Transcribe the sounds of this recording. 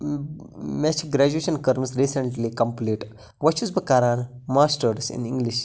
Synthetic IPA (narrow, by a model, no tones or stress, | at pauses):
met͡ʃʰɡɾæd͡ʒueːʃɐnkɐɾmsɾiːsəɳʈlikɐmpliːʈ | ʋɐt͡ʃusbɐkaːɾaːnmaːsʈəɾsɪ̰̃nĩŋɡliʃ